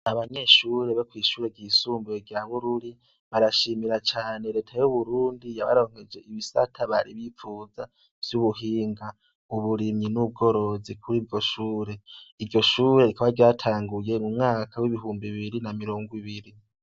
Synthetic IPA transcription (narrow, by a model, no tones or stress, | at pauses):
aβaɲe̞ːʃuːɾeβakwiːʃuːɾe̞ɟiːsuːmbuoɾɟaβuɾuɾi | βaɾaʃiːmiɾat͡ʃaːne̞ɾe̞ːtʰajuβuɾuːndijaβa̰ɾo̞ːŋ̥e̞d͡ʒe̞iβisa̰tʰaβa̰ɾiβifuːza | v̥juβuɦiːŋɡa | uβuɾimɲinub̚ɡo̞ɾo̞zikʰuɾiːvɟo̞ʃuːɾeiɟo̞ʃuːɾe̞ɾikʰaβaɾɟaːtʰaːŋɡuje̞mumŋaːkʰawiβiɦuːmbiβiɾinamiɾo̞ːŋɡwiβiɾi